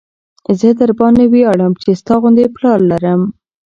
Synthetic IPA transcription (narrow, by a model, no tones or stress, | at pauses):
zəd̪aɾbɑnewiaɽəmt͡ʃest̪ɑɣʊnd̪eplɑɾlaɾəm